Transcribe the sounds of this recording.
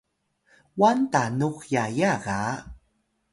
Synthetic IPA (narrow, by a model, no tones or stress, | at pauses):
wantanuxjajaɣa